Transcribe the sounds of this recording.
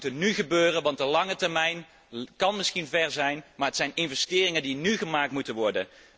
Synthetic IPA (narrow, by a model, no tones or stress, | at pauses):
tənnyχəbøːrənʋɑndəlɑŋətɛɹmɛjn | kɑnmɪsχinvɛɹzɛjnmaːɹɦətsɛjnɪnvɛstɪːrɪŋəndinyχəmaːk̚tmutənʋɔɹdən